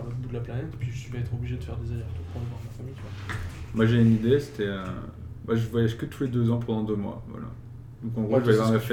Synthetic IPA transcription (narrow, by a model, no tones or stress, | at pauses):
vɔbud̪əlaplanɛt̪e̥pɥiʒəsɥibãɛt̪χɔbliʒed̪əfɛ̰ʁd̪ezalɛʁt̪upɑ̃d̪vɑ̃d̪mafamijt̪yvwamwaʒeynid̪ese̥t̪ɛø̰ | baʒəvwajaʒkət̪ʰuled̪øzɑ̃p̬ɑ̃d̪ɑ̃d̪ømwa̰vwa̰la̰ | d̪̥ɔ̃kɑ̃ɡʁoʒəvavʁmɛf